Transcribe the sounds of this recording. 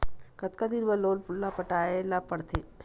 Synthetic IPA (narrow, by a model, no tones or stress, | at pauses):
kɐt̪kad̪iɾbəloːlpʊlːapɐʈaːelapɐɽt̪ʰeː